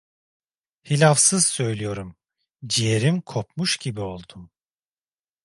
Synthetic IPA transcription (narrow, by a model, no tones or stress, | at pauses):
hilʲafsɯz̥sø̞jlʲijo̞ɾum | d͡ʒijeɾimkʰo̞pmuʃɟibio̞lˠd̪um